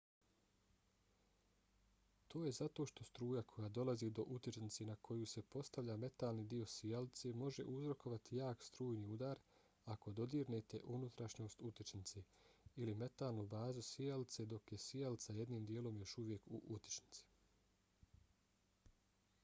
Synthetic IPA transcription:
t̪ʰo̞ːje̞zat̪o̞ʃt̪o̞st̪ɾuːjakʰo̞jaːd̪o̞lˠazid̪o̞ʔut̪it͡ʃnit̪senakʰo̞juse̞po̞st̪aʋʎaːme̞t̪aːlˠnid̪io̞sijalit̪se̞mo̞ʒe̞̰ʔuzɾo̞ko̞ʋat̪ijaːkst̪ɾuːjniːud̪aːɾ | ako̞d̪o̞d̪iːɾnet̪e̞ʔunut̪ɾaʃɲo̞ːst̪ut̪it͡ʃnit̪seilime̞t̪aːlˠnubaːzusijalt̪se̞d̪o̞kje̞sijalt̪saje̞d̪niːmd̪jeːlˠo̞mjo̞ʃuʋje̞kṵʔut̪i̥t͡ʃni̥t̪si̥

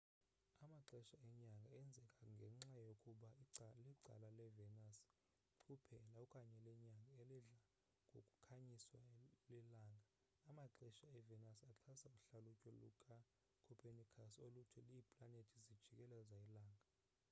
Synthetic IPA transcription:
amaǁɛʃaɛɲaŋɡʱaɛnd͡zʱɛkʼaŋɡʱɛŋ͡ǁajokʼuɓaiǀliǀa̰lalɛvɛnasʰ | upʰɛlaɔkʼaɲɛlɛɲaŋɡʱaelɛɮa | ŋʱo̰kʼu̥kʰaɲiswalɛlaːŋɡʱaː | maǁɛʃaɛvɛnasaǁʰasauɬalucʼɔlukʼa | kʰupʰenikʰasolutʰɛliːpʼlanetʰizid̥ʒ̥ʱikʼɛlɛzailaːŋɡʱa

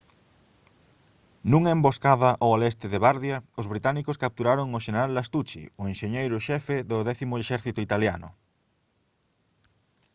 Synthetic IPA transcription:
nũŋemboskaðɐʔoalest̪ɪðeβaɾðjɐʊzβɾit̪anikʊskap̚t̪uɾaɾoŋʊʃeneɾalːast̪ut͡ʃḭoenʃeɲejɾʊʃɛfeðʊðɛθimʊeʃɛɾθit̪ʊit̪alja̰nʊ̰

